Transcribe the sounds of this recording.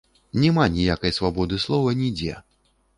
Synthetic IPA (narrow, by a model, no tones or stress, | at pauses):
nʲɛmanʲijakɐjsvabɔd̪ɨslˠɔvɐnʲid͡zʲɛ̰